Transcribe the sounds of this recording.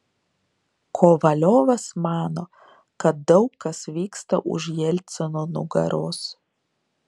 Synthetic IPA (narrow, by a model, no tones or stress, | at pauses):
kʰoːʋɐlʲoːʋɐsmɑːno | kɐt̪̚d̪ɒʊkːɐsʋʲiːkst̪ɐʔʊ̰ʒʲjɛlʲt̪sʲɛnoːnʊ̰ɡɐ̰ɾoːs